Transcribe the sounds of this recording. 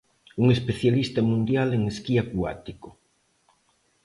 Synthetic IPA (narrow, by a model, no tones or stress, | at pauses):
uŋespeθjalist̪amũnd̪jaleŋeskiakwa̰t̪iko